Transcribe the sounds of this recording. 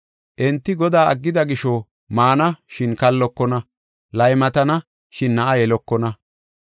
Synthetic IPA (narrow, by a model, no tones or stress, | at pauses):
ʔɛnt̪ːɪɡɔd̪aːʔɐ̰ɡːɪd̪ɐɡɪʃɔ | maːnɐʃɪnkɐlːɔkːɔnɐ | lɐjmɐt̪ɐnɐ | ʃɪnːɐʔɐjɛlɔkːɔnɐ